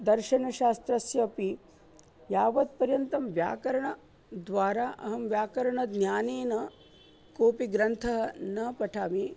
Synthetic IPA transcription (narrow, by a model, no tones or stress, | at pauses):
d̪ɐɾʃɐnɐʃaːst̪ɾɐsjɐːpi | jaːʋɐt̪̚pɐɾjɐnt̪ɐmʋja̰ːkɐɾɐɳɐ | d̪ʋaːɾaːʔɐɦɐmʋjaːkɐɾɐɳɐd̪njaːneːnɐ | koːpiɡɾɐnt̪ʰɐɦɐ̆nɐpɐʈʰaːmi